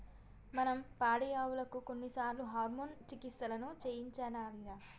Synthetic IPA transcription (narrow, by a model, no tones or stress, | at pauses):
mɐnɐmpaːɽɐjaːwulɐkuko̞nːisaːɾluɦaːɾmoːnt͡ʃikist̪ɐlɐnut͡ʃeːjiɲt͡ʃaːnaːlijaː